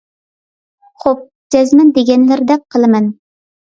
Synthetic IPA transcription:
χop̚ | d͡ʒɛzmɪnd̪eɡʲɛnlɪɾd̪ɛk̚qʰːəlˠɨmɨn

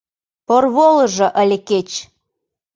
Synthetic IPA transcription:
porβolə̆ʒɤ̆ʔəlʲeket͡ɕ

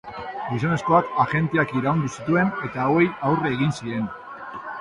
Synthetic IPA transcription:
ɡis̬one̞sko̞akaʝe̞nt̪eakiɾaund̪usit̪ue̞ne̞t̪aoe̞jawreːɣinsiɾe̞n

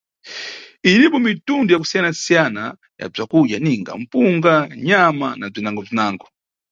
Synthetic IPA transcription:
inipɔmitundujak̬usijanasijana | ja̰b͡ʐakuʄjaniŋɡa̰m̩puŋɡaɲamanab͡ʐinaŋɡɔb͡ʐinaːŋɡɔ

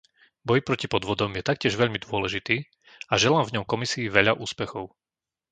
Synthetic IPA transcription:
bɔjpɾɔcipɔd̪ʋɔd̪ɔmjɛt̪ak̚cɪɛʒʋɛʎmid̪ʊɔlɛʒit̪iː | aʒɛlaːmvɲɔmkɔmisiːʋɛʎaʔuːspɛxɔʊ

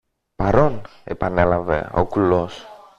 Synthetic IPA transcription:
pɐɾo̞n | epɐnelɐvḛo̰kulos

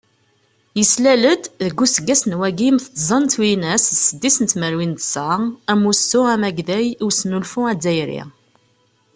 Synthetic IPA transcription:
jəslæləd̪ðəɡːusəɡːæsnwæɡimθt̪ˤːzˤɑnt̪winæssəd̪ːisənt̪məɾwint̪səæmusʊæmæɡðæjiwsnulfʊæd͡zːæjɾḭ

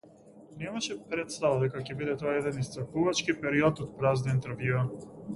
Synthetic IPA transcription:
nɛmaʃɛpɾɛt̪st̪avad̪ɛkacʲɛbid̪ɛt̪ɔaɛd̪ɛnist̪ɾapuvat͡ʃkipɛɾiɔt̪ɔt̪̚pɾazniint̪ɛɾvjua

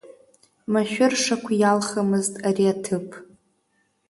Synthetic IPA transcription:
maʃᶣʊrʂakʷʰajalχamɨztʼariatʰɨpʰʼ

